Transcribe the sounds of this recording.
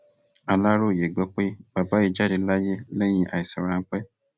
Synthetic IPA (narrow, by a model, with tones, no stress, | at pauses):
a˨la˦ɾo˦˨je˨ɡ͡bɛ˦k͡pe˦ba˨ba˦i˧d͡ʒa˦di˧˦la˦je˦lɛ˦j̃ĩ˧ʔa˨i˨si˨ɾã˨ŋ̩˦k͡pɛ˦